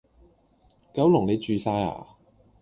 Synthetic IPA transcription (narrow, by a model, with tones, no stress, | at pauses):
kɐ˨˥wlʊ˨˩ŋne˨˧jt͡ʃyː˨˧saː˧ja̰ː˨˩